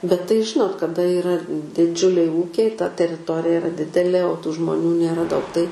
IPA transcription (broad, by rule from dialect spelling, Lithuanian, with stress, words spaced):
bʲɛt tɐɪ ˈʒʲɪnoːt kɐˈdɐ iːˈrɐ dʲɪˈd͡ʒʲʊlʲɛɪ ˈuːkʲɛɪ tɐ tʲɛrʲɪˈtoːrʲɪjɛ ɪˈrɐ ˈdʲɪdʲɛlʲeː oː tuː ʒmoːˈnʲuː nʲeːˈrɐ dɐʊk tɐɪ